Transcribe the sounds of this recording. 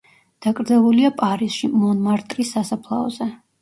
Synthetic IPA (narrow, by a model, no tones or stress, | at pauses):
d̪̥akʼɾd̪zɛlˠuliapʼaɾisʃimɔnmaɾt̪ʼɾisːasapʰlˠa̰ɔ̰zɛ